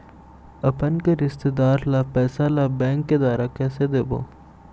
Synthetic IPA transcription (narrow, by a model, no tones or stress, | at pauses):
ɐpənkeɾɪst̪ed̪aːɾlapɛːsalabɛ̃ːŋkːed̪aːɾakɛːsed̪eːbo̰ː